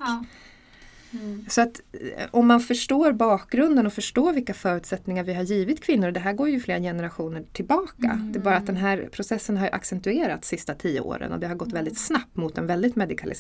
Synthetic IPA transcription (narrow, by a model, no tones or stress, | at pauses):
sɔat̪ɔmːanfœʂʈoːɾbɑːk̚ɡɾɵnd̪ənɔfœʂʈoːvɪlkːafœːɾʉ̟ːt̪sɛt̪nɪŋaɾvɪɦaɾjiːvɪt̪kʰvɪnːʊɾd̪ɛɦæːɾɡoːɾjɵfleːɾajɛnəɾaɧuːnəʈʰɪlbɑːka̰d̪ɛɛbɑːɾat̪̚d̪ɛnɦæːɾpʰɾʊsɛsːənɦaɾjʔa̰ksɛnt̪ɵeːɾa̰t̪sɪst̪at̪ʰiːə̰o̰ːɾə̰nɔ̰d̪ɛɦhaɾɡɔt̪ːvɛld̪ɪt̪snap̚t̪mʊt̪ɛnvɛld̪ɪt̪mɛd̪ɪkʰalʔɪ̰